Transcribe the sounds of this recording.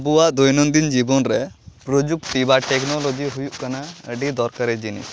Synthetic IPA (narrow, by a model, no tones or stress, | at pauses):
buwaʔd̪ujnɔnd̪ind͡ʒibɔnɾɛpɾod͡ʒuk̚t̪ibaʈɛknɔlod͡ʒiɦujuʔkanaəɖid̪ɔɾkaɾɛd͡ʒinḭ